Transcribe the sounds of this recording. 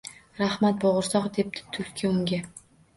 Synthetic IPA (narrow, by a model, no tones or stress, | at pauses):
ɾahmat̪̚boʁʊɾsɒqd̪e̞p̚t̪ʰɪ̥t̪ʰʊlʲkʲʰiʊŋɡʲa